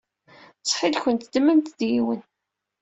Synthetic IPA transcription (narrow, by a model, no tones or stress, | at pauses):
t͡sˤːħilçənt̪d̪mənt̪ðjiwən